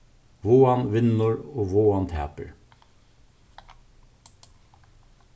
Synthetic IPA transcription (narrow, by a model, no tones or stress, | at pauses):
ʋoːɑnʋɪnːʊɹoːʋoːɑnt̪hæ̰ːpəɹ